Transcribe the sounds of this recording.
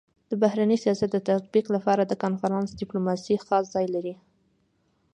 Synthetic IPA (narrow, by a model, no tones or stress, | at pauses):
d̪̥əbahɾanəsijɑsat̪̚d̪ət̪at̪̚biqlapɑɾad̪əkɑnfaɾɑnsɖɪplomɑsixɑszɑjlaɾi